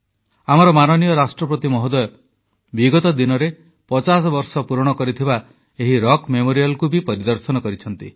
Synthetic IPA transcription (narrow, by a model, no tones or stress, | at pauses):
am̤ɔɾɔmanɔnijɔɾasʈɾɔpɾɔt̪imɔɦɔd̪ɔjɔ | biɡɔt̪ɔd̪inɔɾe | pɔt͡ʃas̬ɔbɔɾsɔpuɾɔɽ̃ɔkɔɾit̪ʰiba | eɦiɾɔkmemoɾijalɔkubipɔɾid̪ɔɾsɔnɔkɔɾit͡ʃʰɔnt̪ḭ